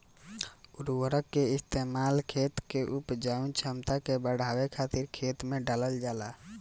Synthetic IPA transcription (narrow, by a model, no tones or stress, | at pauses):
ʊɾwəɾəkːeɪst̪eːmaːlkʰeːt̪keʔʊpd͡ʒaːũnt͡ʃʰəmt̪akebəɽ̤ʱaːwekʰaːt̪ɪɾkʰeːt̪mẽɖaləld͡ʒaːlaː